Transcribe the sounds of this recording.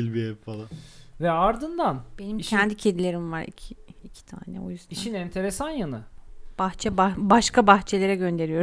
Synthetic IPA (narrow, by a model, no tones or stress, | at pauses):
ilʲbiɛpfalˠanvɛaɾd̪ɯnd̪anb̥e̞nimcʰɛnd̪icʰed̪ilʲe̞ɾimvaɾḭcʰiːcʰi̥t̪ʰa̰ːnɛ̰o̞̰jyzd̪iʃinɛnt̪ʰe̞ɾesanjanɯb̥axt͡ʃʰɛbabaʃkʰabaxt͡ʃʰe̞lʲe̞ɾɛɟø̞nd̪e̞ɾijo̞ɾ